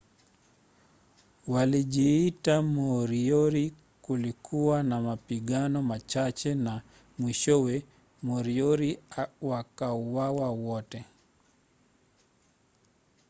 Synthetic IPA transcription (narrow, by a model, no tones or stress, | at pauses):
walid͡ʒiitamɔɾioɾi | kulikʰuwanamapiɡanɔmat͡ʃat͡ʃɛna | mwiʃɔwɛ | mɔɾioɾiwakauwawawɔtɛ